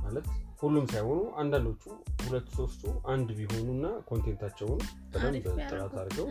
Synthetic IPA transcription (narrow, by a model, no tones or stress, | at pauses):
malət̪hulːumsajho̞nuʔand̪and̪ot͡ʃːuhulət̪ːso̞st̪ʰʼuʔand̪biɦo̞nunːakʰo̞nt̪ʰe̞nt̪ʰat͡ʃːɛwnb̥ət̪ʼambət̪ʼːəɾat̪ʰaɾɡəw